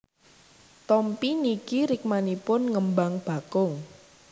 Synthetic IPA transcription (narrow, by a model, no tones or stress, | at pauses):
t̪ɔmpinikiɾɪk̚manipʊnŋəmbaŋb̥a̤kʊŋ